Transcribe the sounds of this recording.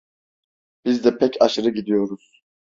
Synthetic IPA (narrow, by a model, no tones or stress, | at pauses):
b̥izd̪ɛpʰɛcʰaʃɯɾɯɟid̪ijo̞ɾuz̥